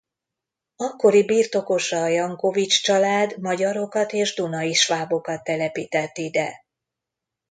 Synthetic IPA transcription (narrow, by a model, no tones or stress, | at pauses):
ɒkːo̞ɾibiːrt̪o̞ko̞ʃɒːjɒŋko̞vit͡ʃt͡ʃɒlaːd̪mɒɟɒɾo̞kɒt̪eːʒd̪unɒiʃʋaːbo̞kɒt̪ːɛlɛpiːt̪ɛt̪ːid̪ɛ